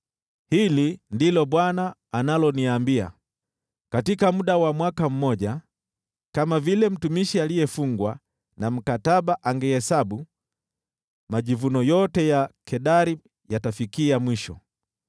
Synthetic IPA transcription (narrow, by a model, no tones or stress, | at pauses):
hilindilɔɓwanaːnalɔniambia̰ | katikamuɗawamwakam̩mɔʄa | kamavilɛm̩tumiʃialijɛfuŋɡwa | nam̩kataɓaʔaŋɡɛhɛsaɓu | maʄivunɔjɔtɛjakʰɛɗaɾi | jatafikiamwiʃɔ̰